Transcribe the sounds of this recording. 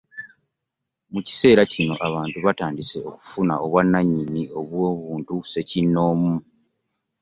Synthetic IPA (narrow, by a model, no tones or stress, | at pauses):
muci̥se̞ːɾacino̞ʔaβaːntuβataːndise̞o̞ku̥funaʔo̞βwanːaɲːinio̞βwo̞ːβuːntuse̞cinːo̞ːmu